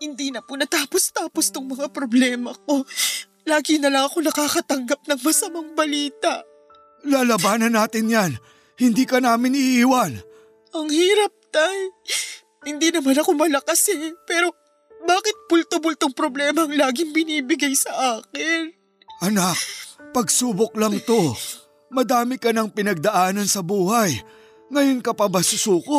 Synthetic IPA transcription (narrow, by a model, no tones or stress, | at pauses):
hɪnd̪iːnɐpʊnɐt̪aːpo̞st̪aːpo̞st̪ʊŋmɐŋapɾoblɛːmɐko̞ | laːɡɪnɐlɐŋɐko̞nɐkakɐt̪ɐŋɡap̚nɐŋmɐsɐmaŋbɐliːt̪ɐʔ | laːlɐbaːnɐnːaːt̪ɪnjan | hɪnd̪iːkɐnaːmɪnɪʔiːwan | ʔɐŋhiːɾɐp̚t̪aj | hɪnd̪iːnɐmanɐkomɐlɐkɐsɪpɛːɾo̞ | baːkɪt̪̚pʊlt̪obʊlt̪oŋpɾoblɛːmɐɐŋlaːɡɪŋbɪniːbɪɡajsɐʔaːkɪn | ʔɐnak̚pɐɡsuːbok̚lɐŋt̪o̞ | mɐd̪aːmɪkɐnɐŋpɪnɐɡ̚d̪ɐʔaːnɐnsɐbuːhɐj | ŋɐjonkɐpɐbɐsʊsuːko